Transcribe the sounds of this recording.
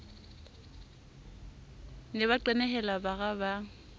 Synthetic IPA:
lɪβaǃɛnɛɦɛlabaɣaba

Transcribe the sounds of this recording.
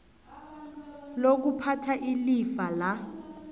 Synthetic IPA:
lok̬upʰatʰaʔilifala

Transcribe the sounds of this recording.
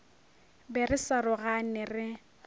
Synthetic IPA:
bɛrɪsarʊɣanɪrɪ

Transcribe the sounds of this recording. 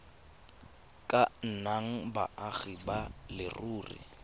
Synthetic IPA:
kʼan̩naŋ̩ba̰ʔaɣibalɪ̰ruːrḭ

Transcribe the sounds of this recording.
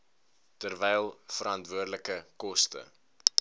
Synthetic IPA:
tərvɛjlˠfəɾɐntvuərdləkəkɔstə̰

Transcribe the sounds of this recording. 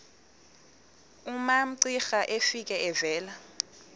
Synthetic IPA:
umam̩ǀixaʔefik̬ʼɛɛvɛːla

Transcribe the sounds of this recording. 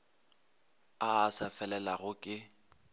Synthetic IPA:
aːsafɛlɛlaɣʊkʼɪ

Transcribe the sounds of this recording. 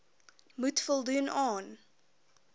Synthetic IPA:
mutfɔlˠdunʔɑːn

